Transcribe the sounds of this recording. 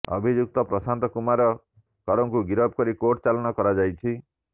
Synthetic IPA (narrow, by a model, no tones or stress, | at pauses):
ɔ̰bʱid͡ʒuk̚t̪ɔpɾɔsant̪ɔkumaɾɔ | kɔɾɔŋkuɡiɾɔb̚kɔɾikoʈt͡ʃalɔnɔkɔɾad͡ʒajt͡ʃʰi